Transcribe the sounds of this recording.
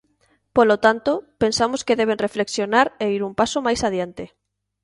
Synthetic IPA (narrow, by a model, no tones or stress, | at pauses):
polot̪ant̪opensamoskeðɛβ̞enrefleksjonaɾeiɾumpasomajsaðjant̪e